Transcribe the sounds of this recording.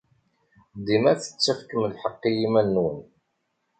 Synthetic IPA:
d̪imæθə̥t͡sːæfkəmlħəqːijimænːwən

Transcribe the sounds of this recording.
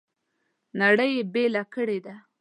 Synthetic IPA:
naɽəjebelakəɽed̪a

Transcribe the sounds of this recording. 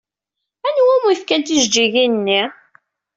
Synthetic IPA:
ænwæmujfkænt̪iʒd͡ʒiʝinnːi

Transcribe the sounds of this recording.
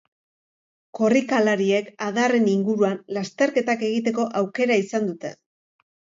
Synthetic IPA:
ko̞rikalaɾie̞kað̞are̞niŋɡuɾuanlast̪e̞ɾke̞t̪ake̞ɣ̞it̪e̞ko̞ʔawke̞ɾaisand̪ut̪e̞̰

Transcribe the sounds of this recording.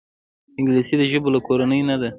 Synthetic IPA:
ɪŋɡlisid̪əʒəbolakoɾanəjnad̪a

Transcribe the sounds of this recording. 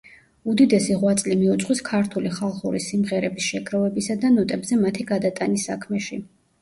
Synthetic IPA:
ud̪id̪ɛsiʁwat̪sʼlimiut̪sʼχwiskʰaɾt̪ʰuliχalˠχṵɾisimʁɛɾɛbisʃɛɡɾɔvɛbisad̪anɔt̪ʼɛbzɛmat̪ʰiɡad̪at̪ʼanisːakʰmɛʃi

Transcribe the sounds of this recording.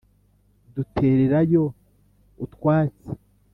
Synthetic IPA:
dutʰe̞ːɾe̞ɾajo̞ | utwaːt͡se̥

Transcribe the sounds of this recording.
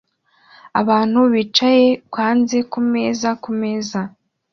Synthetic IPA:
a̰βaːn̥huβit͡ʃaje̞kwaːnze̞kume̞ːzakume̞ːza

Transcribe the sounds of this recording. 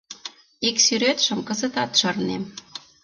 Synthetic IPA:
eksyɾet̪ʃə̆mkɤ̆zə̆t̪ɑt̪ʃɤrnem

